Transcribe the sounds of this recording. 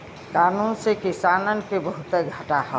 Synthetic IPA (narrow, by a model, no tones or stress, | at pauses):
kaːnuːnsekɪsaːnənkebəɦʊt̪eɡʱəʈaɦɛ